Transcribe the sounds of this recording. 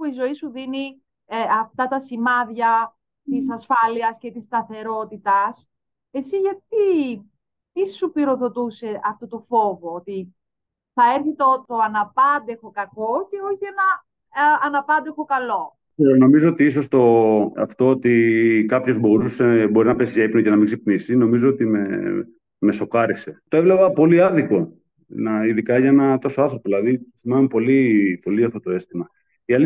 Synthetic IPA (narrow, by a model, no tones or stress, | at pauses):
uizo̞isuðini | ɐft̪ɐt̪ɐsimɐðʝɐ | t̪isɐsfɐliɐsce̞t̪ist̪ɐθe̞ɾo̞t̪it̪ɐs | e̞siʝɐt̪̚i | tissupiɾo̞ðo̞t̪use̞ʔɐft̪ot̪ofo̞vo̞ot̪i | θɐeɾθit̪ot̪o̞ɐnɐpɐnd̪e̞xo̞kɐko̞ce̞o̞çienɐː | nɐpɐnd̪exo̞kɐlo̞ | kseɾono̞mizoot̪iis̬o̞st̪o̞ɐ̰ft̪o̞ot̪ikɐpço̞zbo̞ɾusebo̞ɾinɐpesiʝɐipnocenɐmiɡzipnisino̞mizoot̪ime | me̞so̞kɐɾise̞t̪o̞evlevɐpo̞liɐðiko̞ | nɐiðikɐʝɐenɐt̪o̞soɐnθɾo̞poðilɐðiθimɐmepo̞lipo̞liɐft̪ot̪o̞e̞st̪imɐ | iɐli